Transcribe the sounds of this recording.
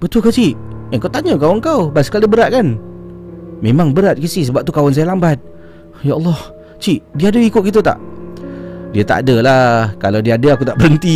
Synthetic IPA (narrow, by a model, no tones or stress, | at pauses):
b̥ət̪uəkat͡ʃiʔəŋkawt̪aɲəkawəŋkawbasə̥kalibəɾat̪̚kan | mẽmaŋbəɾat̪̚kisis̬əbap̚t̪ukawans̬ajalambat̪̚ | jaʔəlˠːɔh | t͡ʃiʔdiaadəikʊt̪̚ɡit̪ut̪a̰ʔ | diat̪a̰ʔa̰dəlakalawdiaadəakut̪aʔbəɾənt̪i